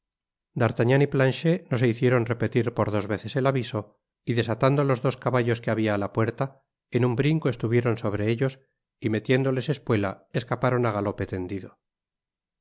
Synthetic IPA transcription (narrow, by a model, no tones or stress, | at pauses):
d̪aɾt̪aɲaniplanʃe̞no̞se̞iθje̞ɾo̞nre̞pe̞t̪iɾpo̞ɾðo̞zβe̞θese̞laβiso̞ | iðesat̪and̪olo̞zðo̞skaβaʎo̞skeaβiaːlapwe̞ɾt̪a | enumbɾiŋko̞e̞st̪uβ̞je̞ɾo̞nso̞βɾeeʎo̞s | ime̞t̪je̞nd̪o̞le̞se̞spwe̞la̰e̞skapaɾo̞naɣalo̞pe̞t̪e̞nd̪iðo̞